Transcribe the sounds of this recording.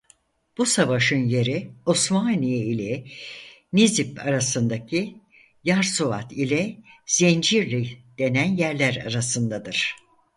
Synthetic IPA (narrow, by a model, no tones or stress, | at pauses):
b̥usavaʃɯnje̞ɾiosmanijeilʲɛ | nizipa̰ɾasɯnd̪acʰi | jaɾsova̰t̪ʰilʲɛz̥end͡ʒiɾlʲid̪̥e̞nænjæɾlʲæɾa̰ɾasɯnd̪ad̪ɯɾ̥